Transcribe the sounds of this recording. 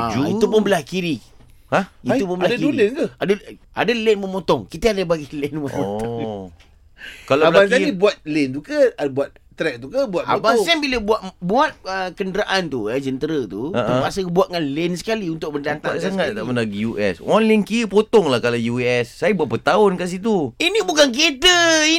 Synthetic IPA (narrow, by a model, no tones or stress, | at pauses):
ad͡ʒuit̪upʊnbəlahkiɾi | aiupʊnbəlakiɾlɛnkəadə | adəlɛnməmɔt̪ɔŋkit̪əadəbaɡilɛnməmot̪ɔ | kalaabəlbansaibuat̪̚lɛnt̪ukəabuat̪̚ | t̪ɾɛk̚t̪ukəbuat̪̚a̰baanbiləbuaʔbuat̪̚əkəndəɾaʔant̪ujəd͡ʒənt̪əɾət̪uaʔ̪upasəbuat̪̚ŋanlɛnsə̥kaliunt̪ʊk̚bəndant̪asaŋat̪̚t̪aʔmənaɡijuʔɛ̰sɔnlankipot̪ɔŋlahkalajuɛsːajəbuaʔ̚pət̪aʊnkaʔs̬it̪uinibukanket̪əi